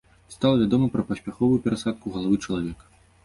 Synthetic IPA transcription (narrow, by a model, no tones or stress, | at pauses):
st̪alˠvʲad̪ɔmɐpɾɐpɐsʲpʲaxɔvujupʲɛɾasat̪̚kuɣɐlˠavɨt͡ʂɐlˠavʲɛkɐ̥